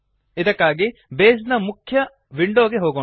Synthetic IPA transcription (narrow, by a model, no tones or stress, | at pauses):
id̪ɐkːaːɡibeːs̬nɐmukʰːjɐ | ʋiɳɖoːɡeɦoːɡo